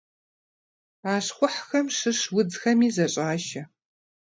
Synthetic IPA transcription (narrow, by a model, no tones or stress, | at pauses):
aːʂχʷʊħxɐmʂɨʂwʊd͡zxɐmiːzɐɕʼaːʒɐ